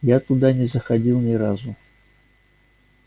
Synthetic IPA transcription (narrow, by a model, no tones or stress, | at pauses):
jat̪ud̪anʲɛzɐxadʲilˠnʲɛɾazu